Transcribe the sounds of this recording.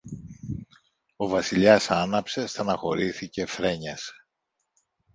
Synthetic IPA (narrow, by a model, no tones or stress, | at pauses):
o̞vɐsiʎɐsɐnɐpse̞st̪ɐnɐxo̞ɾiθice̞fɾe̞ɲɐs